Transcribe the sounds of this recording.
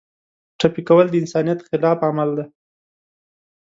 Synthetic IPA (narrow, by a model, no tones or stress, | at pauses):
ʈapikawəld̪əɪnsɑnijat̪xɪlɑfamald̪a